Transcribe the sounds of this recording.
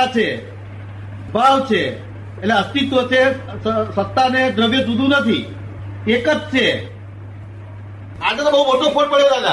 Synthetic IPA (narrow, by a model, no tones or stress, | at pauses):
at͡ʃʰe | bʱaʋt͡ʃʰe | etleəst̪it̪ʋət͡ʃʰesəsət̪ːaned̪ɾəʋjəsud̪ʱũnət̪ʰḭ | ekətt͡ʃʰe | ad͡ʒet̪obəɦumoʈoponpəɭek̪ala